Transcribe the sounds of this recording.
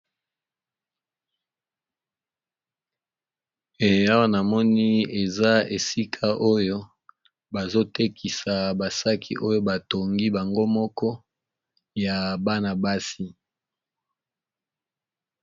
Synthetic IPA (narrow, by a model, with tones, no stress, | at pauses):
e˨ja˦wa˦na˨mɔ˦ni˦e˨za˦e˨si˦kʰa˦ʔo˦jo˦ | ba˨zo˦te˦kʰi˨sa˨ba˨sa˦kʰḭ˦ʔo˦jo˦ba˨to˨ŋɡi˦ba˨ŋɡo˦mɔ˦kɔ˦ | ja˨ba˦na˨ba˦si˦